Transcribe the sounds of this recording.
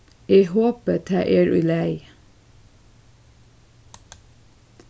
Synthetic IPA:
eːhoːpət̪ʰɑ̰ːʔeːɹʔʉ̰ːlæɪ

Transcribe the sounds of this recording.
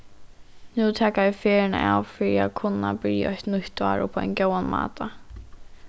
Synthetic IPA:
nut̪ʰɛːkaɪfɛːɾɪna̰ʔa̰wfɪɾia̰ðkʰʊnːabɪɾja̰ɔçt̪nʊht̪va̰ːɾʊ̰pʰɔa̰jncoːwanma̰ːt̪ʰa

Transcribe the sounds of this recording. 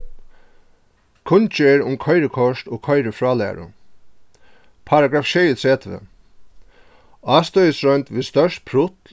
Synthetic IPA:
kʰʊnt͡ʃeɾʊmkʰɔjɾəkʰɔʂt̪ɔːkʰɔjɾəfɹɑːlæ̰ːɹʊ̰ | pʰaɾaɡɹaːfʃɛjət̪ʰɹɛːt̪ʰʋɪ̰ | ɑːst̪œəsɹœɥnt̪ʋɪðst̪œʂt̪̚pʰɾʊt̪

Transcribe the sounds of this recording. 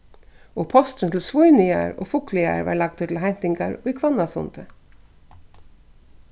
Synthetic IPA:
ɔpʰɔst̪ənt̪ʰɪlsvujnɪa̰ɾɔ̰ːfʊklɪa̰ɾva̰lɑɡ̚d̪ɪt̪l̩ɦɛn̥t̪ɪŋkaɹikʰvɑnːasʊ̰nt̪ə

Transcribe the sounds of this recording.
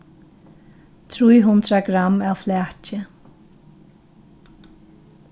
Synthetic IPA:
t̪ʰɾujɦʊnd̪ɾaɡɾamaːwflæːcɪ

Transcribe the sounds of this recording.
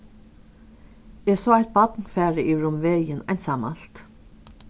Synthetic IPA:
ɛsɔːaht̪̚bɔt̪nfæːɹɪʔiɹʊmʋeːjɪnajnt̪saːma̰lt̪

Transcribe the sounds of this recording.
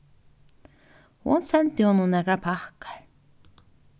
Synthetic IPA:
hṵnsɛnt̪ɪhununækɾapʰahkḁɾ

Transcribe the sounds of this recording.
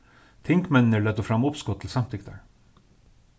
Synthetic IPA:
t̪ʰɪŋkmɛnnəɭɛd̪ɔfɾɑmːʊpskɔt̪ʰl̩sɑmt̪ʰɪkt̪a̰ɹ

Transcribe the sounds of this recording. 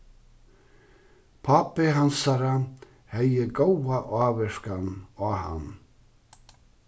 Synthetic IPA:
pʰapɪɦansaɾa | hɛjɪɡowaʔaːvɛʂkanaːha̰n

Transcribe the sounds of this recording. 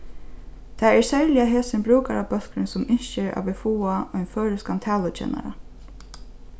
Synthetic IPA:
t̪ʰaɛɹsɛɹlɪaɦeːsɪnbɾuːkaɾapœl̥kɾɪnsɔmɪɲt͡ʃɛɾʔa̰ʋɪfuːaɔjnfœːɾɪskant̪ʰɛːlʊt͡ʃʰɛ̰ːna̰ɾa̰

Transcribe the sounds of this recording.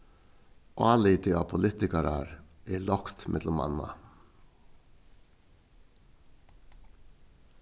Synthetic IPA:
ʔɑːlɪt̪ʰɪɑpʰʊlɪt̪ɪkɑɾɑɾʔeːlɔkt̪mʔɛ̰d̪lʊmɑ̰nɑ̰

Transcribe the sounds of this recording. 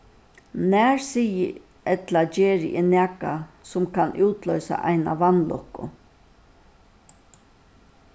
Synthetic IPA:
næːɹsijə | ɛt̪lad͡ʒeːɻɪʔɪnæːkasʊmkʰanʔuːt̪lœʏsa̰ʔa̰jna̰ʋanlɔhkːʊ̰

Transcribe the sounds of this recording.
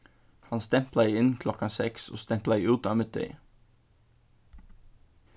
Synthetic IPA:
hɑnst̪ɛmplɑiːɪnkʰlɔkɑnsɛkso̰ːst̪ɛmplɑiːʉːt̪ɑːmət̪̚d̪œ̰ʏ

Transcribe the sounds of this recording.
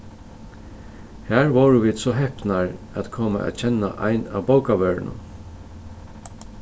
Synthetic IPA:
hæːɹʋowɹəʋiːd̪sɔɦɛhpnaɹ | æt̪kʰoːma̰ʔæ̰t̪t͡ʃʰɛnːaʔa̰ɪna̰ːʋbowkaʋœːɹnə̰n

